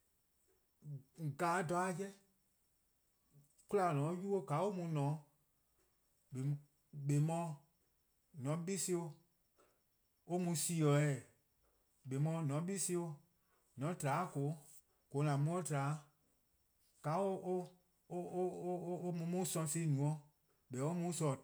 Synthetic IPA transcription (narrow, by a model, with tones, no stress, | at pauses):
ɡaː˨˦dɔ˨˧˦a˦˨jɛ˦ | ku˦la˧˨nɔ̃˨˦ju˦o˦ɡa˨˦o˦mũ˧˦nɔ̃˨˦ | ɓe˨ | ɓe˨˦mɔ̃˧˦ | nɔ̃˨˦ɓi˦se˦o˧ | o˦mũ˧si˧˨ɔ˨˦ɛ˨ | ɓe˨mɔ̃ː˧˦nɔ̃˨˦ɓi˦se˧˦o˧ | nɔ̃˨˦taː˨˦ko˨˦ | ko˨˦lã˨mũ˦o˦taː˨˦ | ɡ̥a˨˦o˦o˦ | o˦o˦mũ˧˦mũ˦sɔ̃˧se˧˦nũ˨ɔ̃˧˦ | ɓɛ˨˦o˦mũ˦sɔ˨